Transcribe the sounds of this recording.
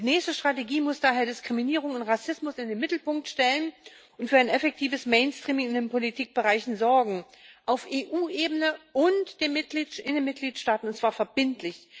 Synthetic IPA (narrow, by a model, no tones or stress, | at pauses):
dd̥iːnɛːçstəʃtʁ̥ateɡiːmʊsd̥aːɦeːɐdɪskʁ̥iminiːʁ̞ʊŋʊntʁasɪsmʊsɪndeːnmɪtl̩pʊŋk̚tʃtɛlən | ʊntfyːɐaɪnʔɛfɛk̚tʰiːvəsmeɪnstʁ̥iːmɪŋɪndeːnpolitʰiːk̚b̥əʁaɪçn̩zɔɐɡŋ̩ | ʔaʊfʔeːʔuːʔeːbənəʔʊntd̥eːɐnmɪt̚ɡ̥liːtʔɪndeːnmɪt̚ɡ̥liːtʃtaːtn̩ʊntt͡sv̥aːɐfɛɐbɪntʰlɪç